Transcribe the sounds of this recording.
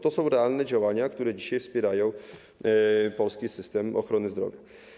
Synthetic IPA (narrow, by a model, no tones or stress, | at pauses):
t̪osowɾɛaːlnɛːd͡ʒɛwaɲakt̪uɾɛːɟiʃɛfspiɾajow | polskiːsɪst̪ɛːmʔoxɾanɪzd̪ɾovjɛ